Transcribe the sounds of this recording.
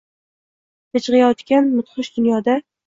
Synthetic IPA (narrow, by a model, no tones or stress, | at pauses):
t̪ɪt͡ʃʁɨjɒt̪kʲanmʊt̪χɨʃd̪ʊnjɒːd̪a